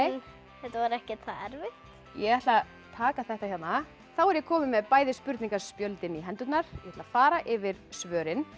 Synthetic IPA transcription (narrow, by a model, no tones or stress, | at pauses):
hɛt̪avaɾɛhcɛt̪θaɛɾvɪht̪ | jɛɣɛht̪la | t̪ʰaːkaθɛht̪açjat̪na | θawɛɾjɛkʰɔːmɪmɛðpaːjðɪspʏɾt̪niŋkaspjœlt̪ɪniɦɛnt̪ʏt̪naɾ̥jɛɛt̪lafaːɾaʔɪvɪɾ̥svœːɾɪn